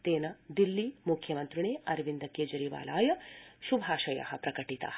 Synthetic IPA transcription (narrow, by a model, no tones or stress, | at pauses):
t̪eːnɐd̪ilːimukʰjɐmɐnt̪ɾuɳeːɐɾʋind̪ɐkeːd͡ʒɐɾiʋa̰ːla̰ːjɐʃubʱaːʃɐjɐ̰ɦɐpɾɐkɐʈit̪a̰ː